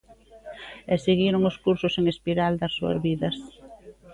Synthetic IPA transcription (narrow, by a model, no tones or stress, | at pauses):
eseɣiɾʊŋʊskuɾsʊseŋespiɾald̪ɐsːuɐ̰zβiðɐs